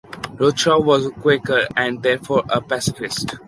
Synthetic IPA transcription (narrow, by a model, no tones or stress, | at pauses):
ɾot͡ʃawɔzkwekəɾɛ̃ɳɖd̪ɛːɾfɔːɾəpɛsɪfɪsʈ